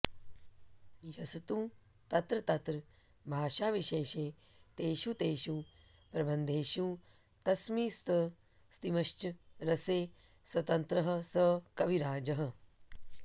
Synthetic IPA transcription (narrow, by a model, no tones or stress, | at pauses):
jɐsɐt̪ũː | t̪ɐt̪ɾɐt̪ɐt̪ɾɐ | bʱaːʃaːʋiʃeːʃeː | t̪eːʃut̪eːʃuː | pɾɐbɐnd̪ʱeːʃũː | t̪ɐsmiːst̪ɐ | st̪imɐʃt͡ʃɐɾɐseː | swɐt̪ɐnt̪ɾɐɦɐ̆sɐkɐʋiɾaːd͡ʒɐɦɐ̆